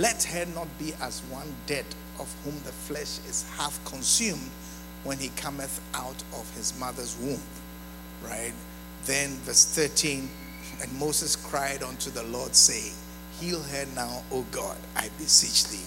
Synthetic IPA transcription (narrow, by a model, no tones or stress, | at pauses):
lɛt̚hənɔt̚b̥iʔæzwʌ̃ndɛɾ | ʔɔv̥hũmðəflɛʃɪz̥hæfkʰə̃nsjũmd | wɛ̃nikʰʌmɨθ | ʔaʊtɔv̥hɪzmʌðə˞zwũmp | ɹaɪt̚ | ðɨ̃nvɜ˞sθɜ˞tʰĩn | ɨ̃nmoʊzɨskʰɹ̥aɪɾɔ̃ntʰuðəlɔɹd̥seɪɪ̃ŋ | hilˠɦənaʊoɡɑ̰da̰ɪbɨsit͡ʃðḭ